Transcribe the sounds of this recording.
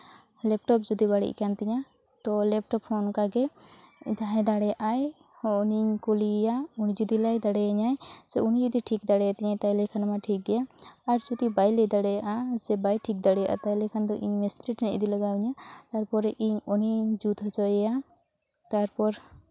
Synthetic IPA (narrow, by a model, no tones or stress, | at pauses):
lɛp̚ʈɔp̚d͡ʒud̪ibaɽḭʔkant̪ɛɲa | t̪ɔlɛp̚ʈɔpʰɔnkaɡɛ | d͡ʒaɦɛ̃d̪aɽɛjaʔaj | hɔniɲkolijaunid͡ʒud̪ilajd̪aɽɛjaɲajd͡ʒɛunid͡ʒud̪iʈʰikd̪aɽɛjat̪ɛɲajt̪ajlɛkʰanamaʈʰik̚ɡɛjaːɾd͡ʒud̪ibajlɛjd̪aɽɛjaʔad͡ʒɛbajʈʰik̚d̪aɽɛjaʔa̰t̪ajlɛkʰand̪ɔʔiɲmɛst̪ɾiʈnḭʔd̪ilaɡawiɲat̪aɾpɔɾʔiɲɔniɲd͡ʒut̪ɦɔt͡ʃɔjɛja | t̪aɾpɔɾ